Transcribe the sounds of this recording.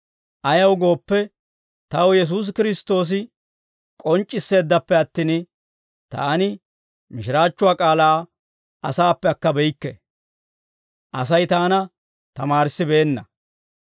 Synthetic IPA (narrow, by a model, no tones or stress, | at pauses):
ʔɐjɐwɡo̞ːpːɛ | t̪ɐwjɛs̬uːs̬kɪɾɪst̪o̞ːs̬ɪ | kʼɔnt͡ʃʼːɪsːe̞ːd̪ːɐpːɛɐt̪ːiːn | t̪a̰ːnɪ | mɪʃɪɾaːt͡ʃːʊwaːkʼaːlaː | ɐsaːpːɛɐkːɐbɛjɪkːɛ | ʔɐs̬ɐjt̪aːnɐ | t̪ɐmaːɾsːɪbe̞ːnːɐ